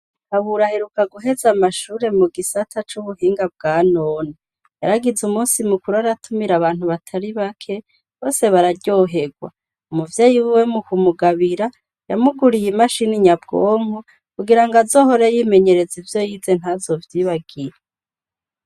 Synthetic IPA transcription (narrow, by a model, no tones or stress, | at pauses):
haβuɾaheɾukaɡuɦe̞zamaʃuːɾe̞muɡisatʰat͡ʃuβuhiːŋɡab̚ɡaːnoːni | jaɾaɡizumuːnsimukuɾuaɾatʰumiɾaβaːn̥huβatʰaɾiβakʰe̞ | βo̞ːse̞βaɾaɟo̞ɦe̞ɡwa̰ | umuvjeːjiwiwe̞mukumuɡaβiɾa | jamuɡuɾijimaʃiniɲabɡoːŋu | kuɡiɾaŋɡazo̞ːho̞ɾejiːme̞ɲe̞ɾe̞zivjo̞jiːze̞n̥hazo̞vjiβaɡiɾa